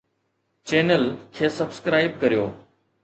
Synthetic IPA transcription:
t͡ɕeːnəlkʰeːsɐbskɾaːɪb̚kɐɾijoː

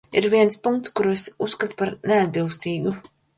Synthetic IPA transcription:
iɾviɛnspuŋkt̪skuɾuesusːkat̪u̥paɾnead̪̚bilˠst̪iːɡu

